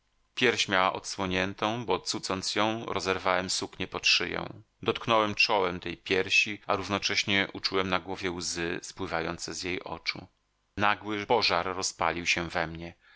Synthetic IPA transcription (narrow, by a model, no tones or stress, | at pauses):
pʲjɛɾɕmʲjawaʔɔt̪swɔɲɛnt̪ɔ̃w̃bɔt̪sut̪sɔnt̪sjɔ̃w̃ɾʔɔzɛɾvawɛmsukɲɛpɔtʂɘ̰jɔ̰̃w̃ | d̪ɔt̪̚knɔwɛmt͡ʂɔwɛmt̪ɛjpʲjɛɾɕiaɾuvnɔt͡ʂɛɕɲɛʔut͡ʂuwɛmnaɡwɔvʲjɛwzɘspwɘvajɔ̰nt̪sɛzjejʔɔ̰t͡ʂṵ | naɡwɘpɔʐaɾːɔspa̰lʲiwɕɛvɛmɲɛ